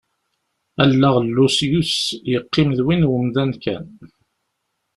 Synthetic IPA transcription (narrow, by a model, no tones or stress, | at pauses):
ælːəʁlːusjusjəqːɪmðwinwəmðænkæ̰n